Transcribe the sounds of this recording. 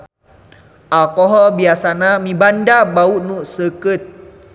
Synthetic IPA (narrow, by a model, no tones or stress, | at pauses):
ʔalkɔɦɔlbiasanamibandabauʔnuʔsəkət̪̚